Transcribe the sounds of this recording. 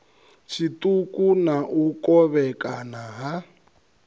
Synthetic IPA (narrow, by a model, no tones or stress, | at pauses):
t͡ʃʰitukʼunaʔukʼɔβɛkʼanaɦa